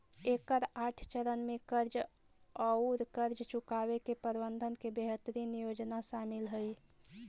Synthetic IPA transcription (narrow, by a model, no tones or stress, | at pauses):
ekəɾaʈʰt͡ʃəɾənmekəɾd͡ʒ | əʊɾkəɾd͡ʒt͡ʃukabekepəɾbənd̪ʱənkebeɦət̪ɾinijod͡ʒnasamilɦəj